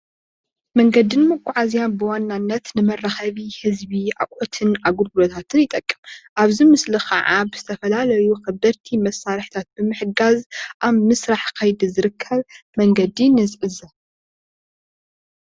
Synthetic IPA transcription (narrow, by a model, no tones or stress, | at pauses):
mɐŋɡɐd̪ɨnmɐkʷʼːʊʕazijanbɨwanːanːɐt̪nɨmɐrːɐxɐβihɨzbia̰kʼʔot̪ʰɨnaɡuɾɡulot̪ʰat̪ʰɨnjɪt̪ʼɐkʼːɨmʔaβzimɨslixʰɐ̰ʕabɨzɨt̪ʰɐfɐlalɐjuxɐbɐɾt̪ʰimɐsːaɾħt̪ʰat̪̚b̥ɨmɨħɨɡazʔaβmɨsɾaħkʰɐjd̪izɨɾɨkʰːɐβmɐŋɡɐd̪inɨzʔɨzɐ